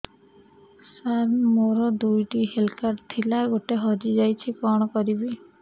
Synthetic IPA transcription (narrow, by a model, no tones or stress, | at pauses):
saɾmoɾɔd̪ujʈiɦelkaɾt̪ʰilaɡoʈeɦɔd͡ʒid͡ʒajt͡ʃʰikɔɽ̃ɔkɔɾibi